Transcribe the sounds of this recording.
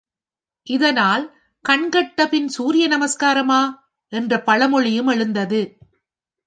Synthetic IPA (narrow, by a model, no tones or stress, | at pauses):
ʔɪðɐnaːl | kɐɳɡɐʈːɐpɪnsuːɾɪjɐnɐmɐskaːɾɐmaː | ʔɛndrɐpɐɭɐmɔɭɪjɯmɛɻɯnd̪ɐðɯ